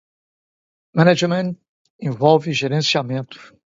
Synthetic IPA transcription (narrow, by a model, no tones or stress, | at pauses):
mɐnad͡ʒmẽnt̪ | ẽvɔwvɪʒeɾẽsiamẽnt̪ʊ̥